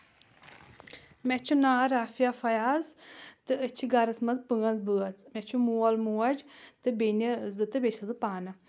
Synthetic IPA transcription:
mʲɛt͡ʃʰunaːɾaːfijafɐjaːzt̪ɨət͡ʃʰiɡɐɾɐsmɐzpɨŋɐnzbɨɐt͡smʲɛt͡ʃʰumuɐlmuwɐd͡ʒt̪ɨbenʲizɨt̪ɨbʲet͡ʃɐzɨpaːnɐ

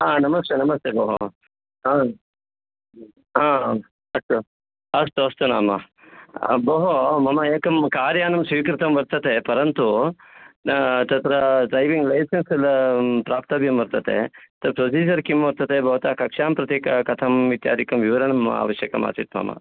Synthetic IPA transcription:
aːnɐmɐst̪eːnɐmɐst̪eboːɦo | aː | aː | ɐst̪u | ɐst̪uɐst̪una̰ːmɐ̰ | boɦomɐmɐeːkɐmkaːɾjaːnɐmsʋiːkɾɪt̪ɐmbɐɾt̪ɐt̪epɐɾɐnt̪u | t̪ɐt̪ɾɐɖɾɐjʋiŋɡlɐjsɐnsɐlpɾaːp̚t̪ɐbjɐmʋɐɾt̪ɐt̪ʰḛt̪ɐɾpɾosiːd͡ʒɐɾkimʋɐɾt̪ɐt̪ebʱɐʋɐt̪aːkɐkʂaːmpɾɐt̪jeːkɐkɐt̪ʰɐmʋit̪ja̰ːd̪ikɐmʋiʋɐɾɐɳɐma̰ːʋɐʃjɐkɐma̰ːt͡ʃit̪mɐ̰mɐ̰

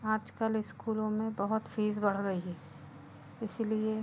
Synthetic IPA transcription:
aːd͡ʒkəlɪskuːlõmẽbɐɦʊt̪fʰiːzbɐɽ̤ɡɐiɦɛː | ɪslie

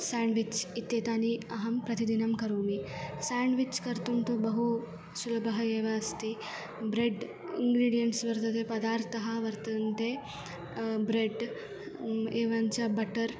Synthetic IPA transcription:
saːɳɖʋit͡ʃit̪ːjeːt̪aːniɐɦɐmpɾɐt̪id̪inɐmkɐɾuːmisaːɳɖʋit͡ʃkɐɾt̪umt̪ubɐɦu | sulɐbɐɦɐeːʋaɐst̪i | bɾeɖ | ḭŋɡɾiːɖijɐɳʈsʋɐɾt̪ɐt̪epɐd̪aːɾt̪ʰɐɦɐʋɐɾt̪ɐnt̪e | bɾeɖ | eːʋaɲt͡ʃɐbɐʈɐɾ

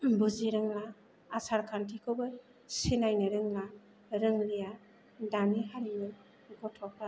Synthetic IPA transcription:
buziɾɯŋlaː | saɾkʰantʰikʰɯbɯɾ | sinajnɯɾɯŋla | ɾɯŋlija | daniɦaɾimɯ | ɡɔtʰɔk̚ɾa

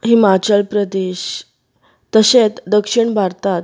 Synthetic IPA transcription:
ɦimat͡ɕəlpɾəd̪eɕ | t̪ːəɕẽt̪d̪əkʂiɳbʱaɾt̪at̪

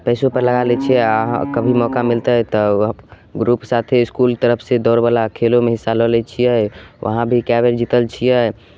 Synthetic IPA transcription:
pɛːsõpəɾləɡalɛt͡ʃʰɛaɦkəbʱimɔkamilt̪ət̪ɔ | ɡɾupsat̪ʰeɪskult̪əɾəpʰsed̪ɔɾbəlakʰelomeɦisːalɔlɛt͡ʃʰijɛʋʔə̰ɦãbʱikɛbeɾd͡ʒit̪əlt͡ʃʰijɛ

